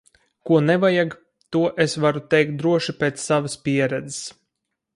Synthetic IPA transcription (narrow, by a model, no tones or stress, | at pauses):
kuɔnevajaɡ | t̪uɔʔesvaɾut̪ɛjk̚t̪̚d̪ɾuɔʃipeːt̪ssːavəspʲiɛɾɛd̪ze̥s